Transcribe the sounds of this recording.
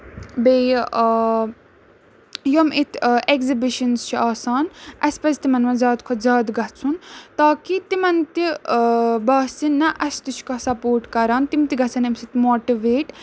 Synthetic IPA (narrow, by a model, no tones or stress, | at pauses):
beː | jomit̪ʰekzibiʃɐnzt͡ʃʰiaːsaːnɐspɐst̪imɐnmɐzʲaːd̪kʰɐt̪zʲaːd̪ɡɐt͡sʰunt̪aːkit̪imɐnt̪i | baːsinːɐʔɐst̪ut͡ʃʰkɐsɐpoːɾʈkɐɾaːnt̪imt̪iɡɐt͡sʰɐnɐmsit̪moːʈiʋeːʈ